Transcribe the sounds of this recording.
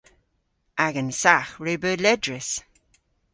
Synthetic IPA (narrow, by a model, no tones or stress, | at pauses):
aɡənsaxɹebəːlɛdɹɪs